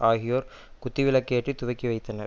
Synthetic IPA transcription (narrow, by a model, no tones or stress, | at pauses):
aːɣɪjoːɾ | kʊt̪ːɪʋɪlɐkːeːʈrit̪ːʊʋɐɪkːiʋɐɪt̪ːɐnɐɾ